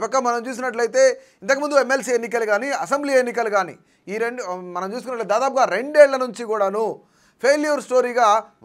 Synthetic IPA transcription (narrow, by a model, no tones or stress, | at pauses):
pɐkːɐmɐnɐmt͡ʃuːs̬inɐʈ̬lɐjt̪e̞ː | int̪ɐkimund̪uemːelsienːik̬ɐluɡaːniɐs̬embliːenːik̬ɐluɡaːnḭ | iːɾeɳɖmɐnɐmt͡ʃuːsukunːɐʈlɐt̪ːd̪aːd̪aːp̬uɡaːɾe̞ɳɖeːɭlːɐnuɲt͡ʃikuːɽaːnu | pʰeːlijɐɾsʈo̞ːɾiːɡaː